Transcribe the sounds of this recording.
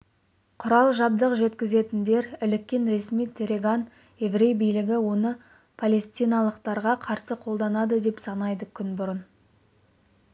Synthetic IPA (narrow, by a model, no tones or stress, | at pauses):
qʰʊɾɑlˠʒɑbd̪əqʒe̞t̪kʲɪze̞t̪ɪnd̪e̞ɾɪlɪkʲːenɾe̞smijt̪ʲʰeɾʲeɡan | e̞vɾe̞jbijlɪɡʲɪwo̞nə | pʰɐlʲe̞st̪ijnɑlˠəqt̪ɑɾʁɑqʰɑɾsəqʰo̞lˠd̪ɑnɑd̪əd̪e̞psɑnɑjd̪əkʲʰʏnbʊɾən